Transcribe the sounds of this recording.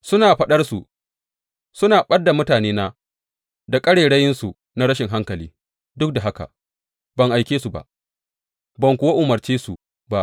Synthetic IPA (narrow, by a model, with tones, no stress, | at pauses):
sʊ˦naː˨ɸɐ˦ɗɐ˦rsṵ˨ | sʊ˦naː˨ɓɐ˦da˨mʊ˦taː˨neː˦naː˦ | da˨kʼɐ˦ɽeː˨ɽɐ˦jɪ˦nsu˨ | na˦ɾɐ˦ʃɪ˨ŋɦa˦ŋkɐ˨liː˦ | dʊ˦k̚da˨ɦa˦ka̰˨ | bɐ˨ŋʔa˨jkʲeː˦su˨ba̰˨ʔ | bɐ˨ŋkʷʊ˨wa˦ʔʊ˨mɐ˨rt͡ʃeː˦su˨ | ba˦˨ʔ